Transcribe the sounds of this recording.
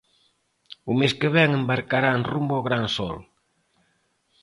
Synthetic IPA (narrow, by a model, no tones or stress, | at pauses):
ʊmeskeβɛŋembaɾkaɾaenrumboɣɾaŋsɔ̰l